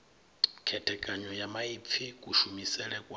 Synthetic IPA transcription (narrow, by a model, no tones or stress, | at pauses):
kʰɛtʰɛkʼaɲɔjamaip̪fʰikʼuʃumisɛlɛkʼwa